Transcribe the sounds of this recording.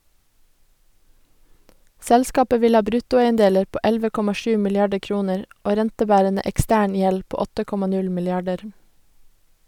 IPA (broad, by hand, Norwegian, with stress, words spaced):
ˈsɛlskɑːpə ˈʋɪl ˈhɑː ˈbɾʉtʊˌæɪənˌdeːləɾ ˈpoː ˈɛlʋə ˈkɔmɑ ˈʃʉː mɪlɪˈɑɖə ˈkɹuːnəɹ ˈoː ˈɾɛntəˌbæːɾənə ʔɛkˈstæːɳ ˈjɛl ˈpoː ˈɔtə ˈkɔmɑ ˈnʉl mɪlɪˈɑɖəɾ